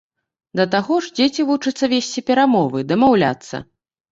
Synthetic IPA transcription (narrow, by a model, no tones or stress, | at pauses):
d̪ɐt̪aɣɔʐd͡zʲet͡sʲivut͡ʂɨt̪sːɐvʲesʲt͡sʲipʲɛɾamɔvɨd̪ɐmawlʲa̰t̪sːɐ̰